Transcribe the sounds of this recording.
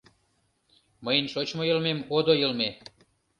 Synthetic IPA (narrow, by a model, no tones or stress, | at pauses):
məjənʃot͡ɕmojəlmemod̪ojəlme